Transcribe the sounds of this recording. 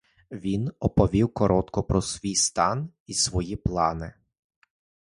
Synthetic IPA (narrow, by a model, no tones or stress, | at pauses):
ʋʲinɔpɔʋʲiwkɔɾʔɔt̪kɔpɾɔsʋʲijst̪ɑn | isʋɔjiplˠɑnɪ